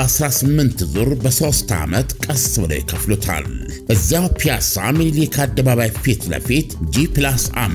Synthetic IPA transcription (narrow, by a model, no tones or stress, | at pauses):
asɾasɨmːɨnt̪zuɾbəso̞st̪a̰mət̪kʼəsɨbɨlo̰jɪ̰kʰəflot̪ʰa̰l | ʔɨzːawpʰijasa̰mililikʰad̪ːəβaβajfit̪lə̰fit̪d͡ʒiplasa̰m